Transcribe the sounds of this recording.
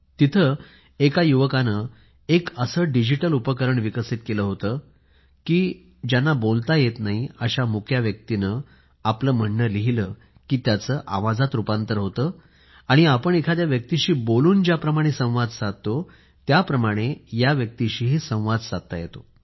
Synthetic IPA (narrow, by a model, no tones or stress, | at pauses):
t̪it̪ʰə | ekajuʋəkanə | ekəsəːɖid͡ʑiʈəlupəkəɾəɳʋikəsit̪̚keləːɦot̪əː | kiː | d͡ʑjanːabolt̪ajet̪naɦiəɕamukʰjaʋjək̚t̪inə | apləːm̤əɳːəliɦiləː | kiːt̪jat͡səːʔa̰ʋad͡zat̪ɾupant̪əɾɦot̪ə | aɽ̃iapəɳekʰad̪jaʋjək̚t̪iɕiːboluːnd͡ʑjapɾəmaɽ̃esə̃w̃ʋad͡z̪sat̪̚t̪ːo | t̪japɾəmaɽ̃ejaʋjək̚t̪iɕiːɦisə̃w̃ʋad̪sat̪a̰jet̪o